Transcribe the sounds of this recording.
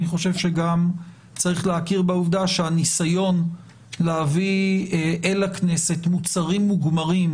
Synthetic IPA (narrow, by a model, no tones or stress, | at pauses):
aniχo̞ʃe̞vʃe̞ɡam | t͡saʁiχleakiʁbeuvd̪aʃeanisajo̞n | leavi | ʔelakne̞se̞tmut͡saʁimːuɡmaʁim